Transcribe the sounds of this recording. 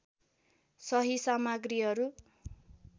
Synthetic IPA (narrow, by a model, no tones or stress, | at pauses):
sʌɦisamaɡriɦʌɾu